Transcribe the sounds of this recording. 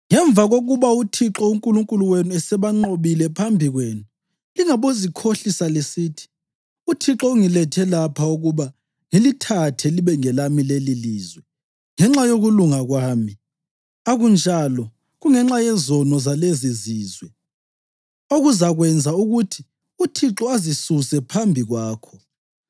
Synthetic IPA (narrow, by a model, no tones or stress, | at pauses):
ŋɛɱb̪vʱaɣoɣuβautʰiǁɔuŋkʼuluŋkʼuluwenuɛsɛβaŋ͡ǃoβilɛpʰambʱiɣweːnu | liŋaβozikʰoɬisalesiːtʰi̥ | utʰiǁɔuŋilɛtʰɛlapʰauɣuβa | ŋilitʰatʰɛliβɛŋɛlamileliliːzwɛ | ŋɛŋ͡ǁajoɣuluŋaɣwaːmi | aɣund͡ʒʱalɔ | ɣuŋɛŋ͡ǁajɛzɔnɔzaleziziːzwɛ | oɣuzaɣwɛnd͡zʱauɣutʰi | utʰiǁɔazisusɛpʰambʱiɣwaːkʰɔ